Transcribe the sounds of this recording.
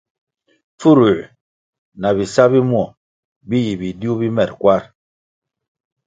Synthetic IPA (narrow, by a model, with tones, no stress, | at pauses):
fp͡fu˦ɾu˨ | na˨bi˨sa˦bi˦mu˦ɔ˨ | bi˦ji˨bi˨di˦u˦bi˦mɛ˨ɾ̚kwa˦ɾ